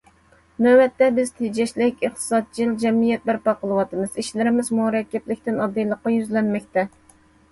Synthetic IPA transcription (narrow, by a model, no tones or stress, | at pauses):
næwɛt̪ːɛbɪz̥t̪ʰed͡ʒɛʃlɪkʲəχt̪ʰɨ̥sɑd̪̚t͡ʃʰild͡ʒɛmijɛt̪̚bɪɾpɑqəlˠɨwɑt̪ɨmɨz̥iʃlɪɾɪmɪzmuɾɛkʲːɛplɪkʲt̪ɪnɑd̪ːejlˠəqːɑjyzlɛnmɛk̚ʲt̪ʰɛ